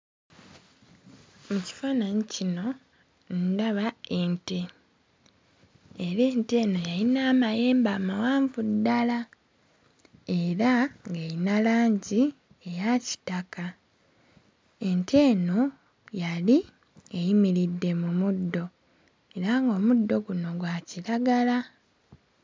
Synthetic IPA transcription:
muci̥faːnaɲicino̞ | ndaβae̞nte̞ | eɾe̞ːnte̞ːno̞jalinaːmajeːmbaːmawaːɱvudːala | e̞ɾaŋɡejinalaːɲɟi | e̞jaci̥taka | e̞ntʰe̞ːno̞ | jali | ejimiɾidːe̞mumudːo̞ | e̞ɾaŋɡo̞ːmudːo̞ɡuno̞ɡwaːciɾaɡala

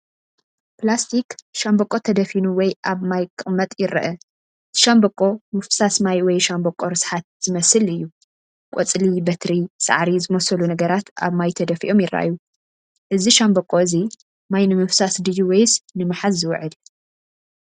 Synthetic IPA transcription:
plast̪ʰikʃambɐkʼːo̞t̪ʰɐd̪ɐfinuwɔjʔaβmajkʼɨʔʼmɐt̪ʼjɪɾːɐ̰ʔɐ | t̪ʰɨ̥ʃambɐkʼːo̞mɨfsasmajwɔjʃambokʼːoɾɨsħat̪̚z̥ɨmɐsɨlɨjːu | kʷʼot͡sʼlibɐt̪ʰɾisa̰ʕɾizɨmɐsɐlunɐɡɐɾat̪a̰βmajt̪ʰɐd̪ɐfḭʔomjɪɾːɐ̰ʔa̰ju | ʔɨziʃambokʼo̞ɨzi | majnɨmɨfsasd̪ɨjuwejsnɨmaħazːɨwʊʕɨd̪

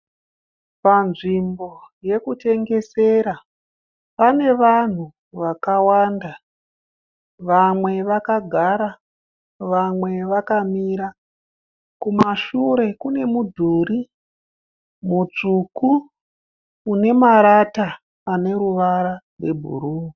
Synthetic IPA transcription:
panʐimbo̞je̞kute̞ŋɡe̞se̞ɾa | pane̞ʋan̤u | ʋakawanda | ʋamwe̞ʋakaɡʱaɾa | ʋamwe̞ʋakamiɾa | kumaʃuɾe̞kune̞mudʱuːɾi | mut͡ʂuku | ne̞maɾataː | ne̞ɾuʋaɾarwe̞bʱṵɾuːi

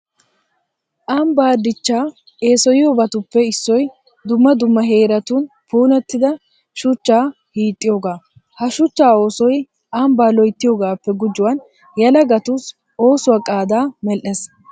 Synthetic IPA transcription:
ʔambaːd̪ɪt͡ʃːaː | e̞ːsɔjɪjobɐt̪ʊpːɛɪsːɔj | d̪ʊmːɐd̪ʊmːɐɦe̞ːɾɐt̪un | puːnɛt̪ːɪd̪ɐ | ʃʊt͡ʃːaː | hiːt̪ʼːɪjoːɡaː | hɐʃʊt͡ʃːaːo̞ːsɔj | ʔambaːlɔjt̪ːɪjoːɡaːpːɛɡʊd͡ʒːʊwɐn | jɐlɐɡɐt̪ʊs | o̞ːsʊwaːkʼaːd̪aːmɛlʔes

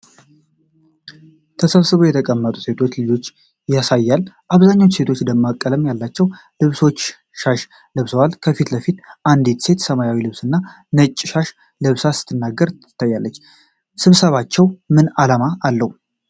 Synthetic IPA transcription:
t̪ʰəsəβsɨβojɛt̪ʰəkʼəmːət̪ʼuse̞t̪ʰo̞t͡ʃːlɨd͡ʒo̞t͡ʃː | jasajːalʔaβzaɲːawt͡ʃse̞t̪ʰo̞t͡ʃːd̪əmːakʼːələmjalːat͡ʃːɛw | lɨβso̞t͡ʃː | ʃaʃ | lɨβsəwalkʰəfit̪ləfit̪ʔand̪it̪se̞t̪səmajawilɨβsɨnːa | nət͡ʃʼːʃaʃ | lɨβsasɨ̥t̪ʰːɨnːaɡːəɾʰɨ̥t̪ʰːajːalːət͡ʃː | sɨβsəβat͡ʃːɛwmɨnalamaːlːəhu

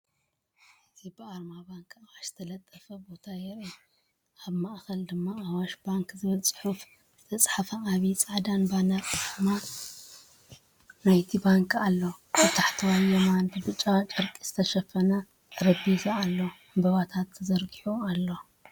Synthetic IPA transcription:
ɨzibɨaɾmabaŋkawaʃzɨ̥t̪ʰɐlɐt̪ʼːɐfɐbo̞t̪ʰajɛɾi | aβmaʔxɐld̪ɨmːaːwaʃbaŋkzɨβɨlt͡sʼħuf | zɨt̪ʰɐt͡sʼħafɐʔaβit͡sʼaʕd̪anbanatʼɨma | najt̪ʰibaŋkʰalːobɨt̪ʰaħt̪ʰɨwajːɛmanbɨbɨt͡ʃʼːat͡ʃʼɐɾkʼizɨt̪ʰɐʃɐfɐna | ɾɐbizaalːo | mbɐβat̪ʰat̪ʰːzɐɾɡiħualːo̞

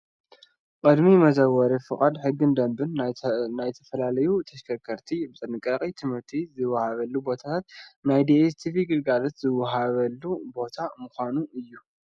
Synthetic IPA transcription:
kʼɨd̪mimɐzɐwːɐɾefɨχʼad̪ħɨɡːɨnd̪ɐmbɨnːajt̪ʰɐfɐlalɐjut̪ʰɐʃkʰɐkʰːɐɾt̪ʰibɨt͡s̪ʼɨnɨkʼːɐqʼit̪ʰɨmɨɾt̪ʰizɨwɐhaβɐlːubo̞t̪ʰat̪ʰat̪najd̪iest̪ʰiviɡɨlɡalɐt̪zɨwɐɦaβɐlːubo̞t̪ʰamɨxʷanuʔɨjːu

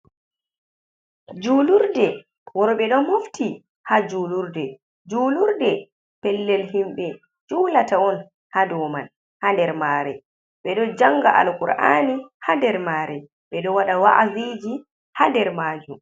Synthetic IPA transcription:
d͡ʒuːluɾdɛ | wɔɾɔɓɛɗɔmuftʰi | had͡ʒuluɾdɛ | d͡ʒuːluɾdɛ | pɛlːɛlhimɓɛ | d͡ʒuːlataɔn | hadɔːman | handɛɾmaːɾɛ̰ | ɓɛɗɔd͡ʒaŋɡaʔa̰lkuɾʔa̰ːnihadɛɾmaːɾɛ | ɓɛɗɔwaɗawaʔazid͡ʒi | handɛɾmaːd͡ʒum

